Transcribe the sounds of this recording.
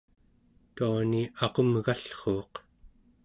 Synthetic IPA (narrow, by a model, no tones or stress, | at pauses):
t̪uaniɑqomɣaɬχo̞ːq